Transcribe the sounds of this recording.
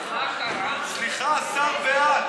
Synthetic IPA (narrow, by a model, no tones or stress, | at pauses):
sliχasamvea